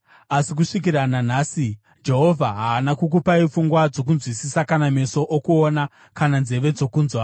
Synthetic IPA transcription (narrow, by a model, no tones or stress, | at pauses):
asik̬uʂik̬iɾanan̤aːsi | d͡ʒe̞ɦo̞vʱaɦaːnakuk̬upaifuŋɡwad͡zo̞k̬unzwisisakaname̞so̞ʔokuona | kananze̞ʋe̞d͡zo̞kuːnzwa